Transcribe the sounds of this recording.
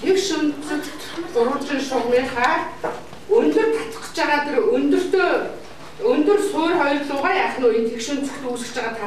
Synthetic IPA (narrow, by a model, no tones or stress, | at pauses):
t̪ʰekʃʊnt͡sɘ̆kt̪ʰʊɾʊ̆t̪riːŋʃʊmiːχaː | ɵnt̪ɵ̆rt̪ʰḁt͡s̪ə̥̆χə̥̆t͡ɕaʁaːt̪erɵnt̪ɵ̆r̥t̪oː | ɵnt̪ɵ̆rsoːrχɔjrɮʊːʁaːjaːχnuːjə̆nt̪ʰekʃɵ̆nt͡səɵ̆kt̪uːsɘ̆kt͡ɕaʁaːt̪ʰa